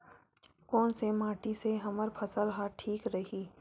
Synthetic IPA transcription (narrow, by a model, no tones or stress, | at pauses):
kɔːnsemaːʈiseɦɐməɾpʰɐsəlɦaːʈʰiːkɾɐɦiː